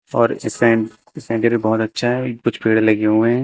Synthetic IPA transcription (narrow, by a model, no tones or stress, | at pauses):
ɔːɾɪskã | ɪsɛ̃ːɳʈeɾibɔːt̪ɐtːʃʰaɦɛkʊt͡ʃʰpeːɽelɐɡeɦuẽ